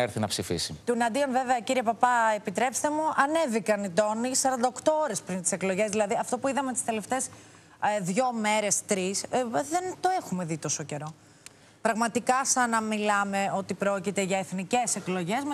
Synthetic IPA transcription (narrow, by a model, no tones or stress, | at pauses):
eɾθinɐpsifḭsit̪unɐd̪ionve̞veɐciɾiepɐpɐepit̪ɾe̞pst̪e̞muɐne̞vikɐnit̪o̞nisɐɾɐnd̪ɐokt̪o̞oɾe̞spɾint̪i̥seklo̞ʝe̞zðilɐðiɐft̪o̞puiðɐmet̪i̥st̪e̞le̞ft̪e̞s | ðʝo̞me̞ɾe̞st̪ɾisðe̞nt̪o̞e̞xume̞ðit̪o̞so̞ce̞ɾo̞ | pɾɐɣmɐt̪ikɐsɐnɐmilɐme̞o̞t̪ipɾo̞cit̪e̞ʝɐe̞θnice̞se̞klo̞ʝe̞zm